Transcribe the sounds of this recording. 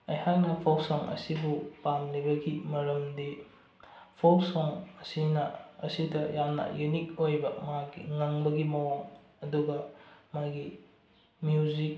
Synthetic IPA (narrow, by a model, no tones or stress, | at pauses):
ɐjhak̚nɐpʰowsɔŋɐ̰sibupamlibɐɡimɐɾɐmdi | pʰowsɔŋɐsinɐɐsidɐjamnɐ̰junikojbɐmaɡiŋɐŋbɐɡimɐwaŋ | ɐduɡɐmaɡi | mjuzik̚